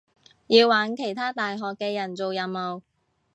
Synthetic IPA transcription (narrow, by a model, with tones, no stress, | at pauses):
jiː˧wːaː˨˥nkʰe˨˩jt̪ʰaː˥t̪aː˨jɦɔː˨kːɛː˧jɐ˨˩nt͡so˨wjɐ˨˩mmo˨w